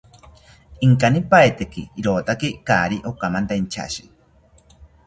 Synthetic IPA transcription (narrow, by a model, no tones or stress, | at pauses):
iŋkanipaet̪ekiːɾot̪akikaːɾiʔokamant̪ant͡ʃʰa̰ʃi̥